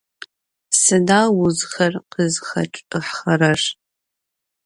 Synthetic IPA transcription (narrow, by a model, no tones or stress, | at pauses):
sɨdaːwʊzxɐrqəzxɐ̰ʈ͡ʂʼɨħχɐɾɐʂ